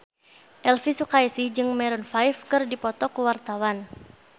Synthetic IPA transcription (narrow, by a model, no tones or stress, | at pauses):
ʔɛlfisukaisid͡ʒɨŋmɛɾɔnfajfkɨrdipɔt̪ɔkuwart̪awan